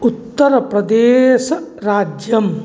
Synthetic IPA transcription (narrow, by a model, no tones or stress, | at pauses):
ut̪ːɐɾɐpɾɐd̪eːʃɐɾaːd͡ʒjɐm